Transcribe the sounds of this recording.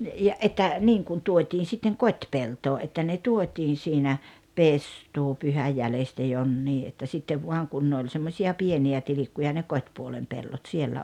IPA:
jɑ ʔetːæ niːŋ kun tuotʲiːn sitːeŋ kotʲpeltoː ʔetːæ ne tuotʲiːn̞ siːnæ pestuːpyhæj jælestæ jonːiː ʔetːæ sitːeʋ ʋuɑŋ kun ne olʲ semːosʲiɑ pieniæ tilikːujɑ ne kotʲpuolem pelːot sielːæ

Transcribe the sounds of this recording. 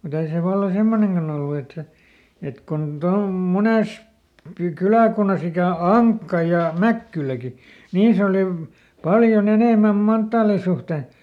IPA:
mut ei se ʋɑlːɑ semːoneŋkɑn olːu et se et kon tɑum muneˑs pi kylæˑkunːɑs ikæˑ ɑŋkːɑ jɑ mækːylæki niːs oliʋ pɑljon eneˑmæm mɑntːɑːli suhte

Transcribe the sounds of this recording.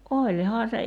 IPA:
ʔolʲhɑː se

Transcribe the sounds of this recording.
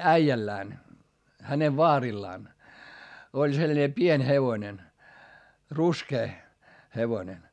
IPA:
æijælːæːn hæneʋ ʋɑːrilːɑːn olʲ selnʲe pienʲ heʋonen ruskeː heʋonen

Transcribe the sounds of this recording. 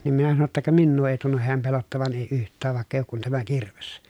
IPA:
nim minæ sɑno tːɑ kɑ minːuː eˑi tunːuh heæm pelotːɑʋɑn eˑi yhtˑæːʋ ʋɑˑekː eˑi oːk kun tæmæ kirʋes

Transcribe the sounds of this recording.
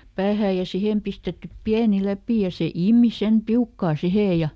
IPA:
pæːhæː jɑ sihem pistetːyp piæni læpiˑ jɑ se iˑmi sem piukːɑː siheˑ jɑ

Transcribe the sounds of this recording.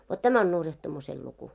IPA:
ʋot tæmæ on nurjɑhtumusel luku

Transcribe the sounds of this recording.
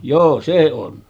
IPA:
joː se on

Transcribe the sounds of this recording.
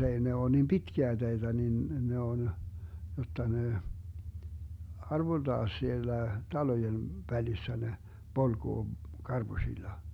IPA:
ei ne oː nim pitkiæ teitæ nin ne on jotːɑ ne ɑrʋold̥ɑː sielːæ tɑlojen ʋælisːæ ne polɡ̊oː kɑrb̥usʲilːɑ

